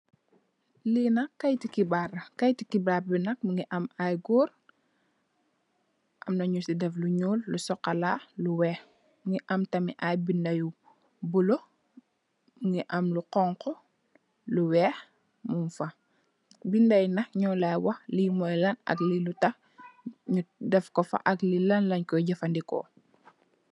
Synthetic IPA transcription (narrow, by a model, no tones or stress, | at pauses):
linɐkːɐjtikibarɐkɐjtikibabinɐk̚muŋɡiʔɐmajɡuːr | ʔɐmnɐɲusidɛfluɲuːlːusɔkːɐlaːluwɛːx | muŋiʔɐmtɐmḭʔajbindɐju | bulo | ŋiʔɐmluqɔŋkɔ | luwɛːx | munfɐ | bindɐajnɐxɲɔːlajwɐxliːmɔjlɐnɐ̰klilutɐx | ɲudɛfkɔfɐ̰ʔɐklilɐnlɐɲkɔjɟɐfɐndikɔ̰